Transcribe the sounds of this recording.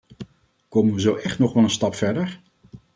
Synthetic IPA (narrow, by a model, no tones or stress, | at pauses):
kowmənʋəzowʔɛχtnɔχʋɑlˠənstɑpfɛɹdəɹ